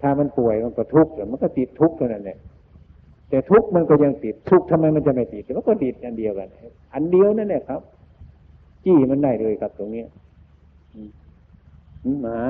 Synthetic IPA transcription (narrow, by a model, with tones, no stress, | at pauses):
t̪ʰaː˧˩ma˧˥˨npu˨˩əjma˧˩nkɔː˧˩t̪ʰu˦˥k̚la˧˩ma˧˨nkɔː˧˩t̪i˨˩t̪ʰːu˦˥k̚t̪ʰa˧˩wna˧˩nːla˧˩ | t̪ɛː˨˧˦t̪ʰu˦˥k̚ma˧˨nkɔː˧˩ja˧ŋt̪i˨˩t̪ʰːu˦˥k̚t̪ʰa˧mːa˧jma˧nt͡ɕa˧˩ma˧˨˩jt̪i˨˩t̪̚ʰːɛ˧ma˧˨nkɔː˧˩t̪i˨˩t̪̚ʔa˨˧˨ndi˨əwka˨na˧˩ | ʔa˨ndi˧əwna˧˥nlɛ˧˩kʰa˦˥p̚ | t͡ɕiː˧˥˩ma˧˥ndaː˧˩jlɤː˧˩jkʰa˧˦p̚t̪o˧ŋni˦˥ɐ | ʔɯː˧˩ | ʔɯː˧˩a˨˧˦